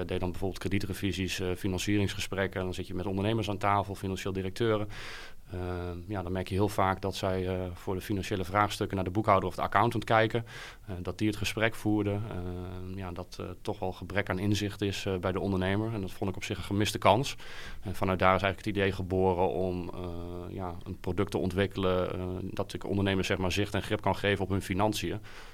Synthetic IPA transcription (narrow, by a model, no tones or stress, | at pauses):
dejt̚dɑnbɛvʊːbəlˠtkreditrəvizisfinɑnsiːrɪŋsχəsprɛkəndɔnzɪtjəmɛtɔndəɹnejməɹs̬aːntaːfəlˠfinɑnʃeːlˠdirək̚tʰøːɾə | jadɔnmɛɹkjəɦɪːlˠvaːkdɔtsɛjvʊːɹdəfinɑnʃejləvraːχstøkənaːɹdəbukɦawdərɔvdəa̰kawntəntkɛjkə | dɔt̚diətχəsprɛkfuːɹdə | jadɔttːɔχʋɛlˠχəbrɛkaːnɪnzɪχtɪsbɛjdəɔndəɹnejməɹɛndɔtfɔntɪkɔpsɪχə̃nχəmɪstəkɑnsɛnfɑnœdaːɾɪsɛjɣələkə̥tidejχəboːrəɔm | jaə̰nprodɵk̚təɔntʋɪkələdɑtɪkɔ̰ndəɹnejməɹssɛχmaːɹzɪχtɛnχrɪp̚kɑnχejvənɔpɦɵnfinɑnsiə